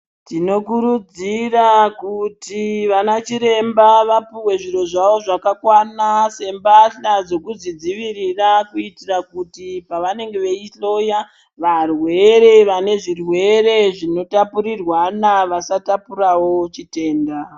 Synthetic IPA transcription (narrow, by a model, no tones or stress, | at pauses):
tino̞kuɾud͡zirakutiʋanat͡ʃiɾe̞mbaʋapuwe̞ʐiro̞ʐaʋo̞ʐakakwanase̞mbaɬad͡zo̞kuzid͡ziʋirirakuitirakutipaʋane̞ŋɡe̞ʋe̞iɬo̞ja | ʋarwe̞ɾe̞ʋane̞ʐirwe̞ɾe̞ʐino̞tapuɾirwanaʋasatapurawo̞t͡ʃite̞ːnda